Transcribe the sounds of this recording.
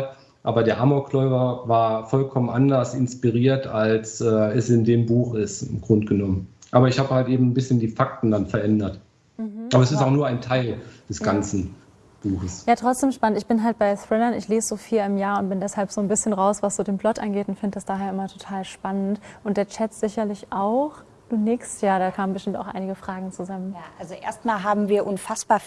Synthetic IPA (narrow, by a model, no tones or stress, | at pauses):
ʔaːbɐdeːɐʔamoklɔʏvɐvaːɐfɔlkʰɔmənʔandɐsɪnspiʁiːɐtʰalsɛːɛsɪndeːmbuːxɪstɪ̰mɡ̥ʁʊntɡ̥ənɔmənʔaːbɐɪçhaːbəhaltʔeːbm̩nbɪsçəndiːfak̚tn̩danfɛɐʔɛndɐt | ʔaːbɐɛsɪstaʊxnuːɐaɪntʰaɪld̥ɛsɡ̥ant͡sn̩ | b̥uːxəsjaːtʁ̥ɔt͡sd̥eːmʃpanəntɪçb̥ɪnɦalt̚b̥aɪθʁɪlɐnɪçleːzəzoːfiːlɪmjaːɐʊnt̚b̥ɪndɛshalpz̥oːnbɪsçənʁaʊsv̥asz̥oːdeːmplɔtʔanɡeːtʊntfɪndədasd̥aːɦeːɐʔɪmɐtʰotʰaːlʃpanəntʔʊnt̚d̥eːɐt͡ʃɛtz̥ɪçɐlɪçʔaʊx | d̥uːnɪkstjaːɐɾaːkʰaːmən̩bəʃtɪmta̰ʊxʔa̰ɪnɪɡəfʁ̥aːɡŋ̩t͡suzamənaʔalzoʔḛːɐstmaːlɦaːbm̩viːɐʔʊnfasb̥aːɐ